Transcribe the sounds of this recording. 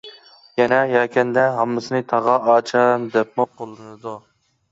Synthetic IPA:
jɛnɛjɛːkʲʰɛnd̪ɛɦɑmːɨsɨnɨt̪ʰɑʁɑɑːt͡ʃʰɑnd̪ɛp̚muqʰolˠːɨnɨd̪u

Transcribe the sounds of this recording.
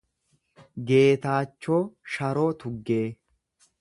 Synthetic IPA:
ɡe̞ːt̪aːt͡ʃːo̞ːʃɐɾo̞ːt̪ʊɡːeː

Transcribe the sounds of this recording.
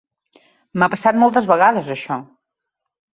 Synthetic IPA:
mapəsat̪̚mɔlˠt̪əzβəɣaðəzəʃɔ

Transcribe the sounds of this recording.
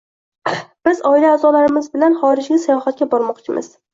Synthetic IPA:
b̥ɪzɒɪlaːzɒlaɾɪmɪzbɪlanχɒɾɪd͡ʒɡʲasajɒhat̪̚kʲabɒɾmɒqt͡ʃʰɪmʔɪ̰z̥

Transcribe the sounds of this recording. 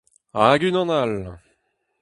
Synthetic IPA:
aɡynɑ̃nal

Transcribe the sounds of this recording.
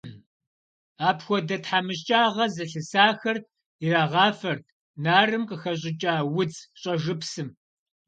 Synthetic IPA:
aːpʰxʷɔdɐtħamɨɕ̬t͡ʃʼaːʁɐzɨɬɨsaːxɐr | iraːʁɑːfɐrt̚ʰ | naːrɨmqʼəxɐɕ̬ʼɪt͡ʃʼaːwʊt͡sɕʼɐʒɨpsɨm

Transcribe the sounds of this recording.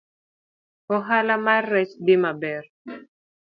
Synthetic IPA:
ɔɦalamarːɛt͡ʃdɪmabɛr

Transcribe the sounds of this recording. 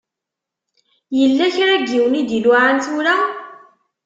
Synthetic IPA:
jəlːæçɾæɡːiwnid̪ilʊʕant̪uɾa

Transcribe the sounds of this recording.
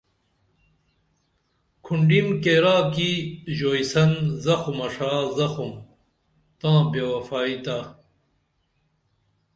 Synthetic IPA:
kʰuɳɖimkeːɾaːkiʑoːisɐnzɐxumɐʂaːzɐxum | t̪ãːbjɐwɐfaːit̪a

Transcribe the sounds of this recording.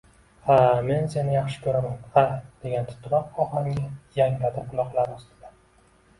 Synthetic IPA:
hame̞nse̞nɪjɑχʃɪ̥kʲʰɵɾamanhad̪̥e̞ɡʲant̪ʰʊ̥t̪ʰɾɒqɒhaŋʲajaŋlad̪aqʊlˠɒqlˠaɾʊst̪ɪ̥d̪a

